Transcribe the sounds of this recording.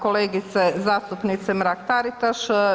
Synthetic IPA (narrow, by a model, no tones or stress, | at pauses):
koleːɡit̪sezaːst̪upnit̪sɛmɾakt̪aɾit̪aʃ